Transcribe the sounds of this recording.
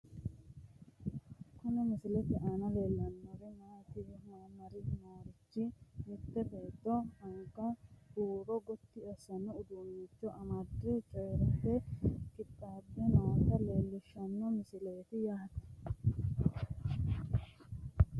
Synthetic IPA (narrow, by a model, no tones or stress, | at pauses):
kʊnɛmɪsɪlɛt̪ɪʔaːnɐle̞ːlːɐnːɔɾɛmaːt̪ɪmaːmɐɾɪmaːɾɪt͡ʃːɪmɪt̪ːɛbeːt̪ːɔhɐŋkːɐbuːɾɔɡɔt̪ːɪɐsɐnɔʊd̪uːjiːt͡ʃːɔʔɐmɐd̪ːɛt͡ʃʼɔjɾɐpːɛkʼɪt̪ʼːaːbːɛnɐwɐt̪ɐleːlːɪʃɐnːɔmɪsɪle̞ːt̪ɪjaːhɐt̪ɐ̥